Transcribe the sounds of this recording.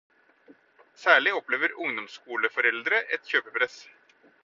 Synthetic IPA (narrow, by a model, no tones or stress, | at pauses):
sæːɭɪɔpleːʋəɾʊŋd̪ɔmskuːləfɔɾɛld̪ɾəʔɛt̪çøːpəpʰɾɛs